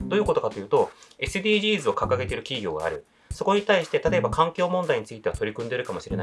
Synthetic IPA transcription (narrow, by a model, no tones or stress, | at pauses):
d̪o̞ːjɯ̟ko̞t̪o̞kat̪o̞jɯ̟ːt̪o̞e̞sɨd̪ʲiːʑiːzɨo̞kakaɡe̞t̪e̞ɾɯ̟kʲiɡʲo̞ːɡa̰ːɾɯ̟ | so̞ko̞ɲ̟it̪aiɕi̥t̪e̞t̪at̪o̞e̞bakãŋkʲo̞ːmõ̞nd̪aiɲ̟it͡sɨit̪e̞βat̪o̞ɾʲikɯ̟̃nd̪e̞ɾɯ̟kamo̞ɕiɾe̞na